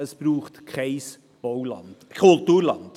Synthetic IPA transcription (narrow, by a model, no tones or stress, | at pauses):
əsb̥ɾuːχtkʰɛɪs | b̥owlɑ̰nd̥kʰʊltuːɾlɑnd̥